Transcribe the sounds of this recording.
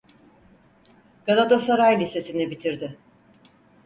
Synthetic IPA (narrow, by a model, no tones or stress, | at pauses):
ɡ̥alˠat̪ʰasaɾajlʲise̞sinibit̪ʰiɾd̪ɪ